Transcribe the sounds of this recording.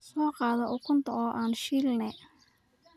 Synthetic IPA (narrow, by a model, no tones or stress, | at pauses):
sɔːqɑːðɐʔʊkʰʊnt̪ʰɐɔːʔaːnʃiːlnɛ